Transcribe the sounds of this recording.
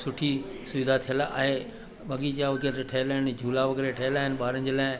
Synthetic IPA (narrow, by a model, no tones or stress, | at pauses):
sʊʈʰisʊʋɪd̪ʱat̪ʰijəlaa̰ːɦe | ɓɐɠid͡ʑaʋɐɡeɾɾeʈʰɐɪlaːɦɪnɪ̆d͡ʑʱuːlaʋɐɡeɾeʈʰɐlaːɦɪnɪ̆ɓaːɾə̃nd͡ʑelaːɪ̃